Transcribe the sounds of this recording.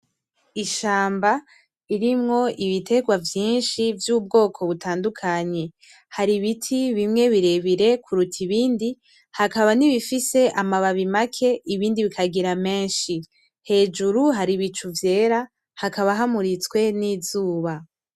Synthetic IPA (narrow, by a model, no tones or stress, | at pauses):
iʃaːmba | iɾimŋo̞ʔiβite̞ɡwavjiːnʃivjuːb̚ɡo̞ːkʰo̞βutʰaːndukʰaɲe̞ | haɾiβitʰiβimŋe̞βiɾe̞βiɾe̞kʰuɾutʰiβiːndi | hakaβaniβifise̞ʔamaβaβimakʰe̞ʔiβiːndiβikʰaɡiɾame̞ːnʃi | he̞ːd͡ʒuɾuɦaɾiβit͡ʃuvje̞ːɾa | hakaβaɦamuɾit͡skwe̞niːzuːβa